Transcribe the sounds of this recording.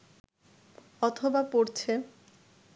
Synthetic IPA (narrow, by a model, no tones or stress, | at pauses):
ɔt̪ʰobapoɾt͡ɕʰe